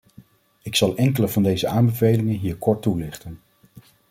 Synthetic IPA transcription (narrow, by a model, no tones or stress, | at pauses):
ɪksɑlˠʔɛŋkələvɑndejzəaːmbəvejlɪŋənɦiːɹkɔɹtulɪχtən